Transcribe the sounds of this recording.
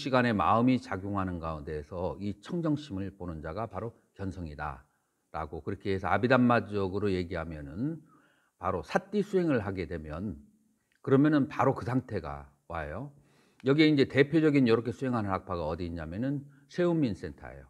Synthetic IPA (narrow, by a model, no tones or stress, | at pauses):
ɕʰiɡane̞ma̰ɯmit͡ɕaɡjoŋɦanɯnɡaunde̞ːsʰʌit͡ɕʰʌŋd͡ʑʌŋɕ͈ʰimɯɭponɯnd͡ʑaɡapaɾo | kjʌnsʰʌŋida̰ | ɾa̰ɡokɯɾʌkʰeesʰʌa̰bidamːad͡ʑʌɡɯɾoje̞ɡiɦamjʌnɯn | paɾosʰat͈isʰuɦe̞ŋɯɭɦaɡe̞dwe̞mjʌn | kɯɾʌmjʌnɯnpaɾokɯsʰaŋtʰe̞ɡa̰ | wa̰ḛjo | jʌɡieind͡ʑe̞te̞pʰjod͡ʑʌɡinjʌɾʌkʰe̞sʰuɦe̞ŋɦanɯnɦak̚pʰaɡaʌdiːɲamjenɯn | sʰe̞umːins͈e̞ntʰa̰ḛjo